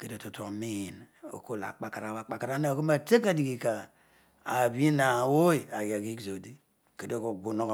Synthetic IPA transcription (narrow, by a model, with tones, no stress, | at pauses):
ke˨do˨tu˨to˨mi˦˨no̰˨ko˦˨la̰˨k͡pa˦ka˨ɾa˨wa˨˦˨k͡pa˦ka˨ɾa˦na˦o˨ko˦m˦a˦te˦ka˦˨di˨ɡi˨ka˨ | a˨bi˦na˨wo˦i˨a˨ɡa˨ɡi˦ɡzo˨di˦ | ke˨do˦˨ko˨bu˦no˦k